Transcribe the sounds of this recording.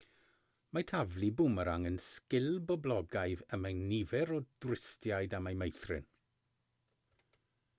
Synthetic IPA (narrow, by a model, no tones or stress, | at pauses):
matʰavlˠibʊməɾaŋənskɪlˠbɔblˠɔɡajðəmajnivɛɾɔd̥rɪstjajdamajmejθrɪ̰n